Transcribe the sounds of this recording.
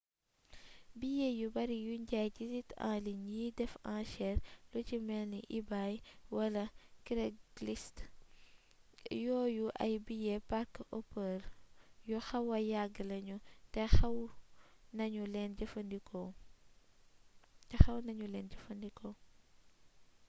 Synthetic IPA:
bijejubɐɾijuɲɟajɟizitã̰ːliɲjiːdɛfãːʃɛɾlucimɛlniʔibajwɐlɐkɾeɡlist | jɔːjuʔɐ̰jbijepaɾkʔopəːɾjuxɐwɐjaɡəlɐɲutɛxɐw | nɐɲulɛnɟɐfɐndikʰɔ | tɛxɐwnɐɲulɛːnɟɐfɐndikʰɔ

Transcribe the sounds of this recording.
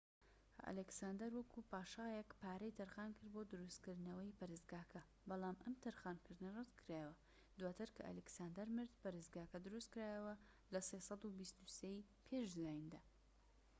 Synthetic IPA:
ɐ̰lɛksaːnd̪ɐɾwɐkʰupaːʃajɛkpaːɾɐjt̪ʰɐɾxaːnkɨɾd̪bod̪ɨɾust̪kɨɾd̪nɐwɐjpɐɾɨzɡaːkʰɐ | bɑlˠaːmʔɐmt̪ʰɐɾxaːnkɨɾd̪ɨnɐrɨt̪kʰɾaːjəwɐ | d̪waːt̪ʰɨɾkʰɐ̰ʔɐ̰lɛksaːnd̪ɐɾmɨɾd̪pɐɾɨzɡaːkɐd̪ɨɾust̪kɾaːjɐwɐ | lɐsesɑd̪ubist̪usej | pʰeʃzaːjind̪aː

